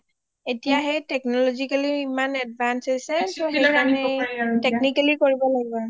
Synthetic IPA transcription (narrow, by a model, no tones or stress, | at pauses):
etijaɦɛtɛk̚nɔlɔzikaliːmanɛdbʱansɔjsɛsɔɦeanɛteknikalikoɹibɔlaɡibɔ